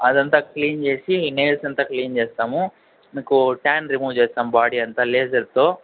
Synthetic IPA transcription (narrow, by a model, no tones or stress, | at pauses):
ɐd̪ɐnt̪ɐkliːnd͡ʒe̞ːsineːlsɐnt̪ɐkliːnd͡ʒeːst̪aːmu | miːkuʈaːnɾimuːʋd͡ʒeːst̪aːmbaːɽiɐnt̪ɐleːsɐɾt̪ːo